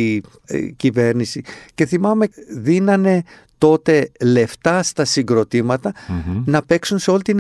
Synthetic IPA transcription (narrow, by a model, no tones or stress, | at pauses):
cive̞ɾnisice̞θimɐme̞ðinɐne̞ | t̪o̞t̪e̞le̞ft̪ɐst̪ɐsiŋɡɾo̞t̪imɐt̪ɐnɐpe̞ksunseo̞lit̪in